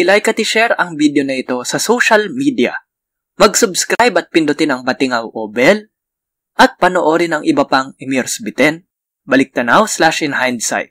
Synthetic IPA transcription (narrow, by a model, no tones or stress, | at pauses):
ʔɪlajkɐt̪ɪʃɛɾɐŋbid̪jo̞nɐʔɪt̪o̞sɐsoʃɐlmid̪ɪɐ̰ | mɐɡsʊbskɾajbɐt̪̚pɪnd̪ʊt̪ɪnɐŋpɐt̪ɪŋɐwʔobɛl | ʔɐt̪̚pɐnoʔo̞ːɾɪnɐŋʔɪbɐpɐŋɪmiɾsbɪt̪ɛn | bɐlɪk̚t̪ɐnawslaʃɪnhajnd̪sa̰jt̪̚